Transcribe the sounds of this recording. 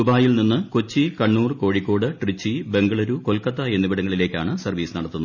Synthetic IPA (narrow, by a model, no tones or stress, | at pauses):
ubaːjilninːɨkot͡ɕːikɐɳːuːrko̞ːɻikʲːo̞ːɽɨʈrit͡ɕːibe̞ŋɡɐɭɐɾuko̞lkɐt̪ːɐenːibɐɽɐŋːɐɭile̞ːkʲːa̰ːɳɨsɐrʋiːsɨnɐɽɐt̪ːunː